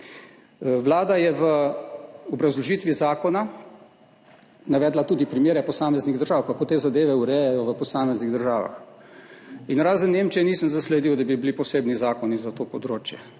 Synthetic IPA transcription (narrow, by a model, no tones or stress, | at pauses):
ʋlaːd̪ajɛʋə | ɔbɾazlɔʒiːt̪ʋizaːkɔna | naʋɛːd̪lat̪uːd̪ipɾimjeːɾɛpɔsaːmɛzniɣd̪əɾʒaːwkakot̪eːzad̪eːʋɛuɾɛjɛjɔʋəpɔsaːmɛzniɣd̪əɾʒaːʋa̰x | inɾaːzənːemt͡ʃɛnisənzaslɛd̪iwd̪abiblipɔseːbnizaːkɔnizat̪oːpɔd̪ɾoːt͡ʃjɛ